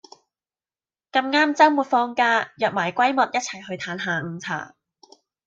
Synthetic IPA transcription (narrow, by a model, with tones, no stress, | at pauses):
kɐ˧mŋaː˥mt͡sɐ˥wmuː˨˩t̚fɔː˧ŋkaː˥jɐ˨p̚maː˨˩jkʷɐ˥jmɐ˨t̚jɐ˥t̚t͡sʰɐ˨˩jɦɵ˧ɥt̪ʰaː˨˥nɦaː˨˩ŋ̩˨˧t͡sʰa̰ː˨˩